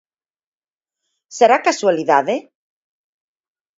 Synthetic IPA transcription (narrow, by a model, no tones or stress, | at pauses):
seɾakasualiðaðe